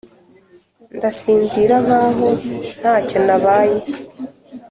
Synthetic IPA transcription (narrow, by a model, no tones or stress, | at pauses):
ndasiːnziɾaβaːɦon̥haːco̞naβaːje